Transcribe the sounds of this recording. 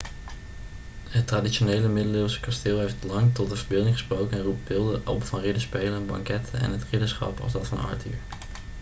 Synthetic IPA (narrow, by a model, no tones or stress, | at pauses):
ɦətːraditʃonejləmɪdəlɪsə̥kastɪːlˠɦejftlɑŋtɔtdəvəɹbɪlˠdɪŋχəsprowkənɛnrupbɪlˠdəʔɑ̰lˠpəvɑnrɪdəspejlənbɑ̰ŋkɛtʰənɛ̰nɦətrɪdəsχɑ̰pɑ̰lˠszdɑtfɑnɑ̰ːty̰ːɹ